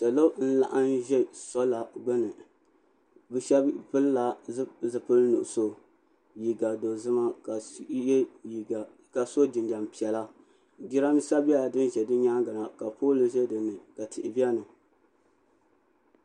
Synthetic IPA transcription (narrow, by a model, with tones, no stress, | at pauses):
ta˨lo˦n̩˦la̰˦ʔa˦n˦ʒɛ˦sɔ˦la˨ɡ͡bɛ˦nɨ˨ | bɨ˦ʃɛ˦bpɨ˦lla˨˦zɨ˨pɨ˦lnʊ̰˨ʔso˦ | ji˨ɡa˨do˨zɨ˦ma˦ka˨˦i˨ | ka˨so˦d͡ʒɪ˨nda˨mpi˨ɛ˨la˦ | ɡi˦ɾa˦n˦sa˦bi˦a˦˨dɨ˦n˦ʒɛ˨dɨ˦ɲaː˦ŋɡa˨na˨ka˨poː˦lɨ˨ʒɛ˦dɨ˨nːɨ˨ka˨tɪ˨ʔɪ˨bi˦ɛ˦nɨ˨